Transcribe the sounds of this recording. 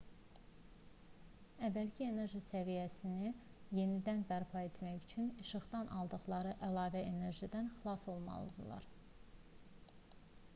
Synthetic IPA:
ævːælcʰie̞ne̞ɾʒisævijæsini | je̞nid̪ænbæɾpʰɑe̞t̪ʰmæjyt͡ʃʰyniʃɯχd̪ɑnʔɑ̰lˠd̪ɯχlˠɑɾɯʔælˠɑːvæene̞ɾʒid̪ænxilˠɑso̞lˠmɑ̰lˠɯ̰d̪ɯ̰lˠɑ̰ɾ

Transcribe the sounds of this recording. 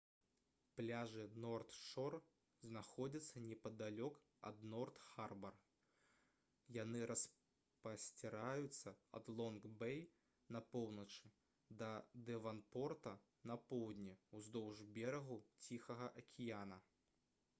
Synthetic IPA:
plʲaʐɨnɔrt̪ʂɔr | znaxɔd͡zʲɐt̪sːɐnʲɛpɐd̪alʲɔk | ɐ̰d̪nɔrt̪xarbɐr | janɨɾʔɐs | pɐsʲt͡sʲɛɾajut̪sːɐɐ̰d̪lˠɔnɡbɛj | nɐpɔwnɐt͡ʂɨ | d̪ɐd̪ɛvanpɔrt̪ɐ | nɐpɔwd̪ʲnʲiuzd̪ɔwʐbʲɛɾɐɣut͡sʲixɐɣɐʔɐkʲʰijanɐ

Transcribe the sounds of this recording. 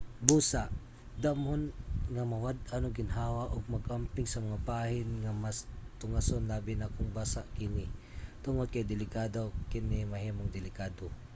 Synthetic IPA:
buːsaʔ | d̪amhonŋɐmɐwad̪̚ʔanoɡɪnɦaːwaʔoɡ̚mɐɡʔampɪŋsɐmɐŋapaːhɪnŋɐmast̪ʊŋasonlaːbɪnakʊŋbaːsaʔkɪnɪt̪ʊŋod̪̚kɐjd̪ɪlɪkaːd̪okɪnɪmɐɦiːmoŋd̪ɪlɪkaːd̪o

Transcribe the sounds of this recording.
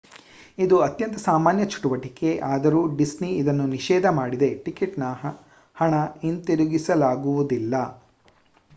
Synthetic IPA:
id̪uɐt̪jɐnt̪ɐsaːmaːnjɐt͡ʃʰu̥ʈuʋɐʈike̞ʔaːd̪ɐɾuːɖisniid̪ɐnːuniʃɛːd̪ʱɐmaːɽid̪e̞ʈikiʈnɐ | hɐɳɐint̪iɾuɡisɐlaːɡuʋud̪ilːɐ

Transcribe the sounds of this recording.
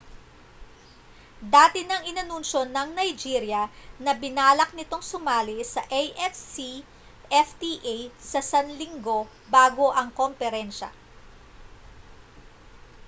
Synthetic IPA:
d̪aːt̪ɪnɐŋɪnɐnunʃo̞nːɐŋnɐjd͡ʒiːɾjɐnɐbɪnaːlɐk̚nɪt̪o̞ŋsʊmaːlisɐʔejʔɛfi | ʔɛft̪iʔejsɐsɐnlɪŋɡo̞ | baːɡo̞ʔɐŋkompɛɾɛnʃɐ̰

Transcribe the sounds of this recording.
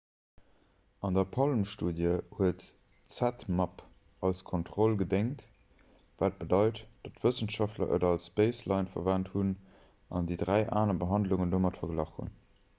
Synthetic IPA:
ɑndɐpʰɑlmʃtuːdjəhuət | t͡sætmɑp | ɑʊskʰontʁolɡədeŋt | væːt̚b̥ədɑɪtd̥ɑtv̥əsənʃɑftlɐ̰ʔə̰dɑlsb̥eɪslɑɪnfɐ̰væːnthun | ʔɑ̰ndiːdʁæɪʔaːnɐbəɦɑndluŋəndoːmɑtfɐɡlɑχhṵn

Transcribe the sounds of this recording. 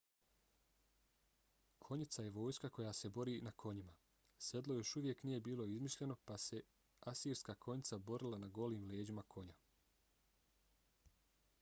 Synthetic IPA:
kʰo̞ɲit̪saje̞ʋo̞ːjskako̞jaːse̞bo̞ɾiːnakʰo̞ɲima | se̞d̪lˠo̞jo̞ʃuʋje̞knije̞biːlˠo̞izmiʃʎe̞no̞pase̞ | asiːɾskaːkʰo̞ɲit̪sabo̞ɾilˠanaɡo̞liːmleːd͡ʑimakʰo̞ɲa

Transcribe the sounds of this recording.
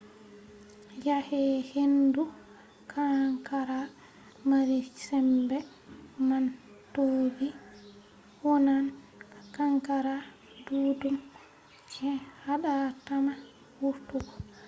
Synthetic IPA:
jahɛhendu | kʰaŋkaɾa | maɾisɛmbɛ | man | tobi | hɔnan | akaŋkaɾa | duːdum | t͡ʃɛhaɗatana | wuɾtukɔ

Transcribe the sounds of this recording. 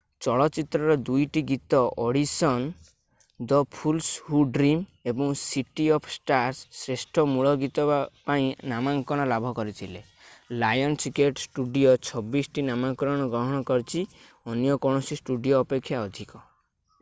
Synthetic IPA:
t͡ʃɔɭɔt͡ʃit̪ɾɔɾɔd̪ujʈiɡit̪ɔʔɔɽisɔn | d̪ɔpʰulshuɖɾimebɔŋsiʈiɔpʰsʈaɾsːɾesʈʰɔmuɭɔɡit̪ɔbapaĩnamaŋkɔɽ̃ɔlabʱɔkɔɾit̪ʰile | lajɔnt͡ʃikeʈsʈuɖiɔt͡ʃʰɔbisʈinamaŋkɾɔɽ̃ɔɡɾɔɦɔɽ̃ɔkɔɾt͡ʃʰi | ɔnjɔkɔɽ̃ɔsisʈuɖijoːpekʰːjaɔd̪ʱikɔ

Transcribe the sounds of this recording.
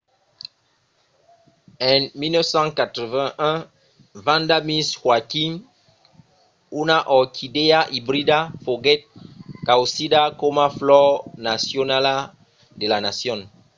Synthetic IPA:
ɛ̃nmilnɔsãŋkat̪ɾɛvɛ̃ɛ̃ | vãndamishwakim | unaʔɔkʰideaʔibɾidafoɡɛt̪̚kawsidakomaflɔnasjonala | delanasjɔ̃n

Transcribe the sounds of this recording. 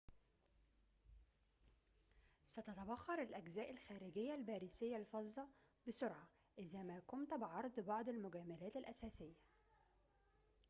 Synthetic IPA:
sæt̪æt̪æwɑxːɑɾˤalʔæɡzæːʔɪlxæːɾɪɡɪjːælbæːɾisɪjːalfɑzˤːɑbɪsʊɾʕɑ | ʔɪzæːmæːkʊnt̪bɪʕɑɾˤd̪ˤbɑʕd̪ˤɪlmʊɡæːmælæːt̪ɪlʔæsæːsɪjːæ

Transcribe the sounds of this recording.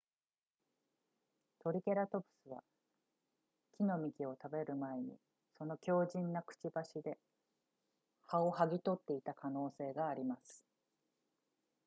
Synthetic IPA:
t̪o̞ɾʲikʲe̞ɾat̪o̞bɯ̟̥sɨβa̰ | kʲino̞mʲikʲio̞t̪abe̞ɾɯ̟mae̞ɲ̟ḭ | so̞no̞kʲo̞ːʑĩnːakɯ̟̥t͡ɕibaɕid̪e̞ | hao̞haɡʲit̪o̞t̪ːe̞it̪akʰano̞ːse̞ːɡaːɾʲimasɨ̥

